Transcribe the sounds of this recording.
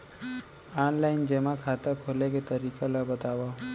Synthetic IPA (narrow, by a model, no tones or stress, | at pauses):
anlaind͡ʒemãkʰat̪akʰoleket̪əɾikʰalabət̪aʋa